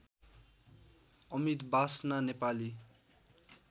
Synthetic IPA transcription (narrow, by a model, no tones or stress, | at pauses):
ʌmit̪basnanepali